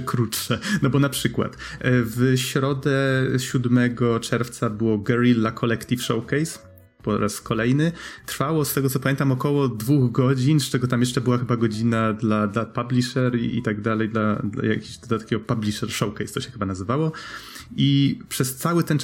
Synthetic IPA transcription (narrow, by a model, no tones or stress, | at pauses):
kɾutʂɛnɔbɔnapʂɘkwa̰t̪ | vɕɾɔd̪ɛɕud̪mɛɡɔt͡ʂɛɾft̪sabɘwɔɡɛɾilːakʰɔlɛkt̪ifʂɔwkɛjs | pɔɾʔaskɔlɛjnɘt̪ɾfawɔst̪ɛɡɔt̪sɔpamjeɛnt̪amɔkɔwɔd̪vuɣɡɔd͡ʑinst͡ʂɛɡɔt̪amjɛʂt͡ʂɛbɘwaxɘbaɡɔd͡ʑinad̪lad̪lapablʲiʂɛɾḭḭt̪aɡd̪alɛjd̪lad̪la̰ja̰kʲiɕd̪at̪akʲeɡɔpablʲiʂɛɾʂɔwkɛjst̪ɔɕɛxɘbanazɘvawɔ | ipʂɛst̪sawɘt̪ɛn